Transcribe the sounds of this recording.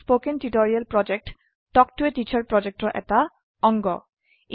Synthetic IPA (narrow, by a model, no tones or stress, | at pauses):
spokenʈiʈoɾialpɾɔd͡ʑek̚ʈː | ɔkʈueʈit͡ɕʰaɾpɾɔd͡ʑek̚ʈoʔɛ̰t̪a | ɔŋɡɔ